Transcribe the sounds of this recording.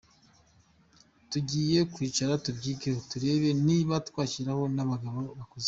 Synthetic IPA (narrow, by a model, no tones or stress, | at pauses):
tuɟiːje̞kwiːt͡ʃaɾatubɟiːɡehotuɾe̞ːβe̞niβatwaːciɾaho̞naβaɡaβo̞βakoze